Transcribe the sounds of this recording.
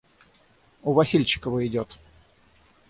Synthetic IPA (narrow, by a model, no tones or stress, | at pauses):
ʊvɐsʲilʲt͡ɕɪ̥kəvəɪdʲot̪